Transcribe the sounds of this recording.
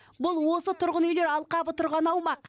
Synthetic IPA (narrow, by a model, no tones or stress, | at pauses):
bʊlˠwo̞sət̪ʰʊɾʁənʏjleɾɑlˠqɑbət̪ʰʊɾʁɑnɑwmɑq